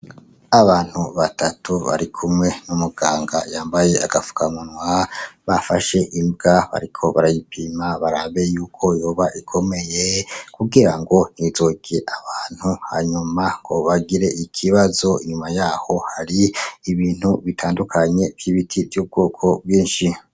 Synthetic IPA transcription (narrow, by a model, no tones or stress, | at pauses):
aβaːn̥huβatatuβa̰ɾikʰumŋe̞numuɡaːŋɡajaːmbaje̞aɡ̥afu̥kamunwaβafaʃe̞ʔimbɡaβa̰ɾikʰo̞βaɾajipʰimaβaɾaβe̞juːkʰo̞jo̞ːβaʔikʰo̞me̞jekuɡiɾaŋɡo̞n̥hizoɡeʔaβaːn̥huha̰ɲumaŋɡo̞̰βaɡiɾe̞ʔikʰiβazo̞iɲumajaːho̞haɾiːβiːn̥huβitʰaːndukʰaɲe̞v̥ɡiβitʰivjuːb̚ɡo̞ːkʰo̞bɡiːnʃi